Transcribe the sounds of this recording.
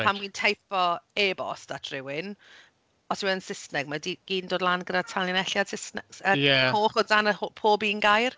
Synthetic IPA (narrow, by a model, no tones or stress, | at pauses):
amwintʰajfɔebɔ̰statʰrɪwɪn | ɔswɛənsɪsnɛɡ̚madiɡ̥iːndoːdlˠanɡədatʰalˠjənɛɬjad̥sɪsnɛɡ̥səjɛhoːχɔdanəopʰoːbiːnɡajr